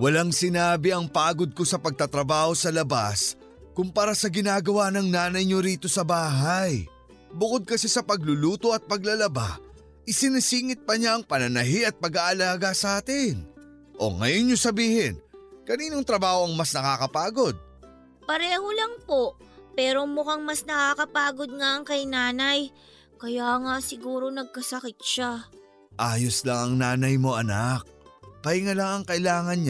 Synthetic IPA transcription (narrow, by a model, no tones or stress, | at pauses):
wɐlaŋsɪnaːbɪʔɐŋpaːɡo̞d̪̚ko̞sɐpɐɡ̚t̪at̪ɾɐbaːho̞sɐlɐba̰s | kʊmpɐɾasɐɡɪnaːɡɐwanɐŋnaːnɐjɲo̞ɾiːt̪o̞sɐbaːɦaj | bʊko̞d̪̚kɐsɛsɐpɐɡ̚lʊluːt̪o̞ʔɐt̪̚pɐɡ̚lɐlɐba̰ | ʔɪsɪnɪsiːŋɪt̪̚pɐɲaɐŋpɐnɐnɐɦiʔɐt̪̚pɐɡaːʔɐlaːɡɐsɐʔaːt̪ɪn | ʔo̞̰ŋɐ̰jonɲosɐbiːhɪnkɐniːnoŋt̪ɾɐbaːhoɐŋmasnɐkaːkɐpaːɡo̞d̪̚ | pɐɾɛːho̞lɐŋpo̞ | pɛːɾo̞mʊkaŋmɐsnɐkakɐpaːɡod̪̚ŋaʔɐŋkɐjnaːnɐj | kɐjaːŋasɪɡuːɾo̞nɐɡ̚kɐsɐkɪt̪̚ʃa | ʔaːjoslaŋɐŋnaːnɐjmo̞ʔɐnak̚pɐjŋɐlaŋɐŋkɐʔɪlaːŋɐnɲ